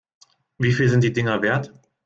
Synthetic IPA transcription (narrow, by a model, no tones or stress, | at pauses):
viːfiːlzɪntd̥iːdɪŋɐveːɐt